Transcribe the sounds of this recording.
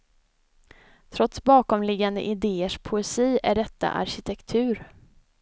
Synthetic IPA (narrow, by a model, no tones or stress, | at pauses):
t̪ʰɾɔt̪sbɑːkɔmlɪɡːand̪ə̰ʔɪd̪eːəʂpʰʊɛsiːæ̰ɖɛt̪ːa̰ʔa̰ɾɕɪt̪ʰɛkt̪ʰʉ̟ːɾ